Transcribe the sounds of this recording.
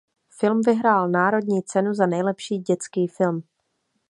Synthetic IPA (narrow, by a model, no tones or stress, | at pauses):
fɪlmvɪɦɾaːlnaːɾo̞dɲiːt͡sɛnuzanɛjlɛpʃiːɟɛt͡skiːfɪlm